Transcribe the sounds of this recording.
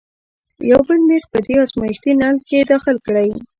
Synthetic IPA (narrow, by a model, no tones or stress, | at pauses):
jawbəlmexpəd̪eɑsmɑjɪxt̪inɑlked̪ɑxɪlkɽaj